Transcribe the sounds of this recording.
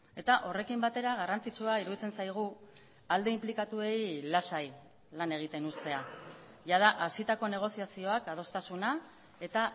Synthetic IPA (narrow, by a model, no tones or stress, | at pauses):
e̞t̪aʔo̞re̞kimbat̪e̞ɾaɣ̞arant͡sit͡suaiɾuðit͡se̞nsajɣ̞u | ald̪e̞implikat̪ue̞jlasaj | lane̞ɣ̞it̪e̞nust̪e̞a | ʝað̞aʔasit̪ako̞ne̞ɣ̞o̞siasio̞akað̞o̞st̪asuna | e̞t̪a